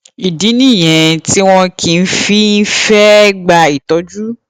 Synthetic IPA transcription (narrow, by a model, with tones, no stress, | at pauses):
i˨di˨˦nĩ˦˨j̃ɛ̃˨ti˦w̃ɔ̃˧kʰi˧n̩˦fi˨˦n̩˦fɛ˦ɡ͡ba˧i˨tɔ˨˦d͡ʒu˦